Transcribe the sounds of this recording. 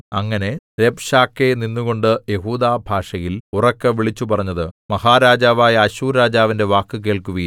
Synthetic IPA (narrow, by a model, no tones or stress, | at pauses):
ɐŋːɐne̞ | ɾebɕaːkːeninːuɣo̞ɳɖɨje̞ɦuːd̪aːbʱaːʂɐjilurɐkːɨʋiɭit͡ɕːupɐrɐɲːɐðɨmɐhaːɾaːd͡ʑaːʋaːjɐɐɕuːɾaːd͡ʑaːʋinde̞ʋaːkːɨk̬e̞ːɭkuʋɐ